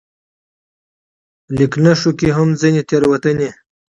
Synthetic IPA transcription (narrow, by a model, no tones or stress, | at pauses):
liknəʂukiɦamzinit̪eɾwɐt̪əni